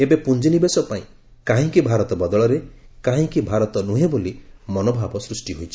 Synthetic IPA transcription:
ebepund͡ʒinibesɔpaĩ | kãɦĩkibʱaɾɔt̪ɔbɔd̪ɔɭɔɾekãɦĩkibʱaɾɔt̪ɔnuɦebolimɔnobʱabɔsɾusʈiɦojt͡ʃʰi̥

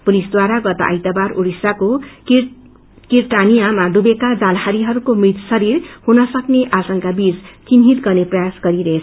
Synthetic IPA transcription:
pulisd̪waɾaɡʌt̪a̰ʔʌ̰jt̪abaɾuɾisako | kirʈanijamad̪ubekad͡zalhaɾiɦʌɾukomit̪sʌɾirhunʌsʌkneʔasʌŋkabid͡zt͡sinɦit̪ɡʌrneprʌjasɡʌɾiɾʌɦet͡sʰʌ

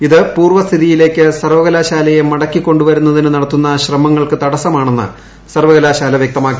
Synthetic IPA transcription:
iðɨpuːrʋɐst̪ʰiðijile̞ːkʲːɨsɐrʋɐɣɐlaːɕaːlɐjemɐɽɐkːikːo̞ɳɖuʋɐɾunːɐðinɨnɐɽɐt̪ːunːɐɕrɐmɐŋːɐɭkɨt̪ɐɽɐsɐmaːɳe̞nːɨ̰ | sɐrʋɐɣɐlaːɕaːlɐʋjek̚t̪ɐmaːkːi

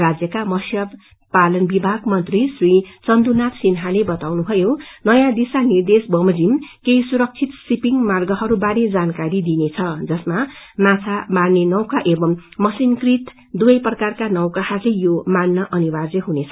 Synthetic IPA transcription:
rad͡zjʌkamʌsjʌb | palʌnbibʱaɡmʌnt̪risrit͡sʌnd̪unat̪sinɦalebʌt̪awnubʱʌjonʌjãd̪isanird̪esbʌmʌd͡zimkejsuɾʌk̚t͡sʰit̪sipiŋɡmarɡʌɦʌɾubaɾed͡zankaɾid̪inet͡sʰʌd͡zʌsmamat͡sʰamarnenʌwkaʔebʌmːʌsinkrit̪ | d̪uʌjprʌkarkanʌwkahʌrlejomanːʌʔʌnibad͡zʌɦunet͡sʰʌ

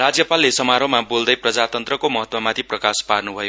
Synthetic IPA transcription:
rad͡zjʌpalːesʌmaɾomabold̪ʌjprʌd͡zat̪ʌnt̪rʌkomʌɦʌt̪wʌmat̪ʰiprʌkasparnubʱʌjo

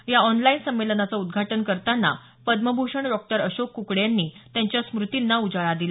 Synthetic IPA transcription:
jaɔnlainsəmːelənat͡saud̪ɡʱaʈənkəɾt̪anːa̰ | pəd̪məbʱuʂəɳɖɔk̚ʈəɾəɕokːukɽjanːiːt̪jaɲt͡ɕjasmɾut̪inːaud͡zaɭad̪ila

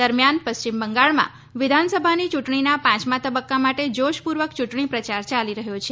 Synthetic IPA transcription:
əɾmjanpəst͡ʃimbəŋɡaɭmã̰ | ʋɪd̪ʱansəbʱanit͡ʃuʈɳ̃inapãt͡ʃmãt̪əbəkːamaʈed͡ʒoʃpuɾʋəkt͡ʃuʈɳipɾət͡ʃaɾt͡ʃaliɾəɦjot͡ʃʰe

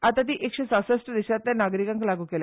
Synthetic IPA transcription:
at̪at̪̬iːʔekɕesasəsʈəd̪iɕat̪njanaɡɾikãŋklaɡuːkela

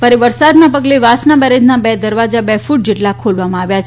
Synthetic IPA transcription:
fəɾiʋəɾsad̪nãpəɡleʋasnabəɾed̪ʱnabɛd̪əɾʋad͡ʒabɛfuʈ̚d͡ʒeʈlakʰolʋamãaʋja

